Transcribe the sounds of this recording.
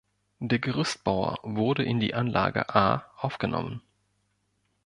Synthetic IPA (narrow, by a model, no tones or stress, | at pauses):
d̥eːɐɡəʁ̞ʏst̚b̥aʊɐ̰vʊɐdəʔɪndḭːʔanlʔaːɡə̰ʔaːʔaʊfɡ̥ənɔ̰mən